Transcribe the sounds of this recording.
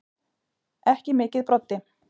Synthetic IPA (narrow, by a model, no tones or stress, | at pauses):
ɛhcɪmɪːcɪðpɾɔt̪ːɪ